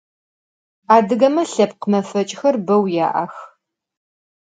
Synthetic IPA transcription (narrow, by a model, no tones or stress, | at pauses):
aːdɨɣɐmɐɬɐp̚qəmɐfɐt͡ʃʼxɐrbɐwja̰ːʔɐx